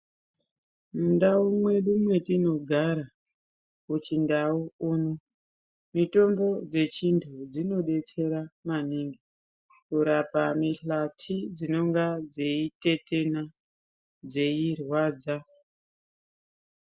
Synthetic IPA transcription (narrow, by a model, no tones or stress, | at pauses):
mundaumwe̞ɗumwe̞tino̞ɡʱaɾa | kut͡ʃindauuːno | mito̞mbo̞d͡ze̞t͡ʃintʰud͡zino̞ɗe̞t͡se̞ɾamaniŋɡi | kuɾapamiɬatʰid͡zino̞ŋɡad͡ze̞ite̞te̞na | d͡ze̞irwaːd͡za